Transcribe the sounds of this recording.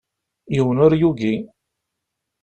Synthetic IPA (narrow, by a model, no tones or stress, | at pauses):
jiwənʊɾjuɡi